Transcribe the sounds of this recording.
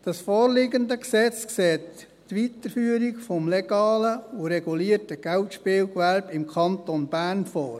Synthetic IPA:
d̥ɑsfɔːɾlɪɡəndəksɛt͡skseːtː | ʋitəɾfyːəɾiɡfɔmlɛɡ̥ɑːləuɾɛɡ̥uliːərtəɡ̥æltʃpɪːlkʋælbɪmkʰɑntɔnb̥æːɾnfɔːɾ

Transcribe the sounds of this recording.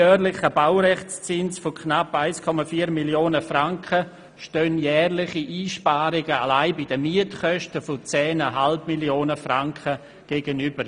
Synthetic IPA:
œːɾlɪχəbawɾɛχt͡st͡sɪnsfokʰnapaɪskʰɔmafiːɐɾmiljoːnəfraŋkʰə | ʃtøːnjɛːrlɪχiʔiːʃpaːɾɪɡəalaɪbɪdəmiətkœʃtəfot͡sɛːnaɦalbmiljoːnəfraŋkʰə | ɡ̥eːɡənyb̥əɾ

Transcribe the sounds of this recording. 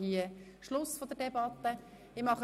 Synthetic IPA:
hiə | ʃlʊsfɔd̪ədɛbɑt̪ːə | ɪmɑχ

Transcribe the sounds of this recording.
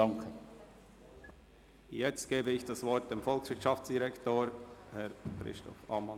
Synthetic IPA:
ɑŋkʰə | jɛt͡stɡ̥eːbəɪçd̥ɑsvɔɾt̚d̥emfɔlksv̥ɪtʃɑft͡sd̥iʁɛktoːhɛɾkɾɪ̰stʰɔ̰fɑ̰ːmɑn

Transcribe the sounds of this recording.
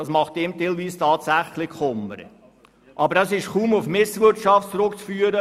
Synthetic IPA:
ɑsmɑχt̚eːmtelviːstʰɑːtsæχlɪχʊmːəɾə̰ | ʔɑbəɾɑsɪʃχuːmufmɪsʋɪtʃɑftt͡sɾʊkt͡sfyːəɾə

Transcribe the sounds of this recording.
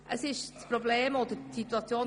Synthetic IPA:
ʔəsɪʃt͡spɾobleːmɔd̪əɾsit̪uɑt͡sjoːn

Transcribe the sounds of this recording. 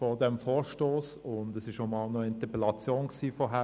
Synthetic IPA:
fɔdɛmfoːɾʃtoːs | ʊndɛsɪʃomɑlnɔɪntəplɑt͡sjoːnksiːfɔːɦæ

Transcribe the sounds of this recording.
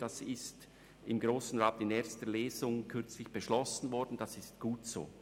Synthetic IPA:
d̥asɪst | ɪmɡɾoːsn̩ʁaːtɪneːɐçstəleːzʊŋkʰʏɾt͡slɪçb̥əʃlɔsn̩vɔɾdn̩d̥asɪstɡ̥uːtz̥o̰ː

